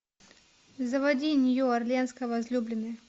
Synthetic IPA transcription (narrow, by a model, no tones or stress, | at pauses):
zɐvɐdʲinʲɪjoɐrlʲenskəvɐzlʲublʲɪnɨ